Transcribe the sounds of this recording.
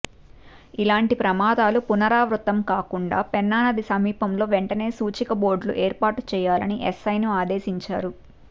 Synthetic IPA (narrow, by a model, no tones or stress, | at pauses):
ilaːɳʈipɾɐmaːd̪aːlupunɐɾaːʋɾut̪ːɐmkaːkuɳɖa̰ːpɛnːaːnɐd̪isɐmiːpɐmlo̞ːʋeɳʈɐne̞ːsuːt͡ʃikɐbo̞ːɾɖlṵʔeːɾpaːʈu̥t͡ʃɛːjaːlɐniʔɛsɐjnuaːd̪e̞ːsiɲt͡ʃa̰ːɾu